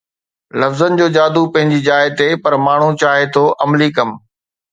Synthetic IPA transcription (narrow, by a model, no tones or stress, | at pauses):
lɐfzənɪ̆d͡ʑoːd͡ʑaːd̪upɐ̃ɦɪ̃ɲd͡ʑiːd͡ʑaːɪt̪ʰepɐɾmaːɳ̤ut͡ɕaːɦet̪ʰoːʔɐmlikɐm